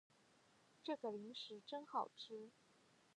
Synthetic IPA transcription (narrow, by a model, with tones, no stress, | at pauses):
ʈ͡ʂɤ˥˩ɡə˩li˧˥ŋʂɻ̩˧˥ʈ͡ʂə˥ŋxɑ˨˩ʊʈ͡ʂʰɻ̩˥